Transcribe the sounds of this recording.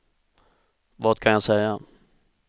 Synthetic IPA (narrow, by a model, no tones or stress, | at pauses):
vɑːt̪kʰanjasɛjːa